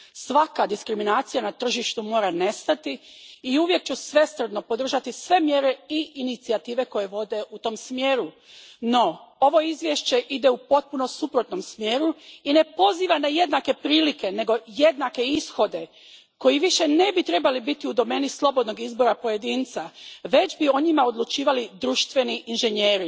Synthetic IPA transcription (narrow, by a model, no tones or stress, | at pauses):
sʋakad̪iskɾiminaːt̪sijanat̪r̩ʒiʃt̪umo̞ːɾane̞st̪at̪iːuʋje̞k̚t͡ɕusʋe̞st̪r̩d̪no̞po̞d̪r̩ʒat̪isʋe̞mje̞ɾe̞iʔinit̪siat̪iːʋe̞ko̞je̞ʋo̞d̪e̞ʔut̪o̞msmje̞ːɾu | no̞o̞ʋo̞izʋje̞ʃt͡ɕe̞ʔid̪e̞upo̞t̪̚punosupɾo̞t̪no̞msmjeːɾuine̞po̞ziːʋanaje̞d̪nake̞pɾiːlike̞ne̞ɡo̞je̞d̪nake̞isxo̞d̪e̞ | ko̞jiʋiʃe̞ne̞bit̪ɾe̞balibit̪iud̪o̞me̞ːnislˠo̞bo̞d̪no̞ɡizbo̞ɾapo̞je̞d̪iːnt̪saʋe̞d͡ʑbio̞ɲimaod̪lˠut͡ʃiːʋalid̪ɾuːʃt̪ʋe̞niʔinʒe̞ɲeːɾi